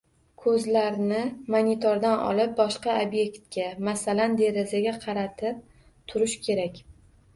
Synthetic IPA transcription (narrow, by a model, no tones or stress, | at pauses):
kʰɵzlaɾnɪmanit̪ʰoɾd̪anʔɒ̰lɪp̚bɒʃqɑobje̞kʲt̪̚ɡʲamasaland̪e̞ɾazaɡʲaqʰɑɾat̪ʰɪp̚ | t̪ʰʊɾɪʃkʲʰe̞ɾakʲ